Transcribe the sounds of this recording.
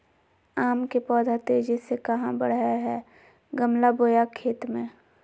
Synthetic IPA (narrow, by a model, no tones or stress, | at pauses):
aːmkepɔːd̪ʱat̪eːd͡ʒisekəɦãbə̰ɽ̤aɦɛ | ɡəmlaboːjakʰːeːt̪mẽː